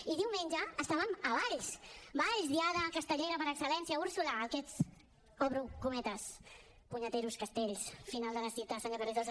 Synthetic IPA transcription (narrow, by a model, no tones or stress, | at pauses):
iðiwmenʲʒəːst̪aβəməβaʎsbaʎzðiaðəkəst̪əʎeɾəpəɾəksəlɛnsiəuɾsulaːkɛt͡s | ɔβɾukumɛt̪əs | puɲət̪eɾuskəst̪eʎsfinalˠd̪ələsit̪əsaɲakərezə